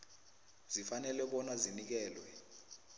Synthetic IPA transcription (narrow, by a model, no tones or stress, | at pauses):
z̥ifanɛlɛɓɔnazinik̬ɛːlwɛ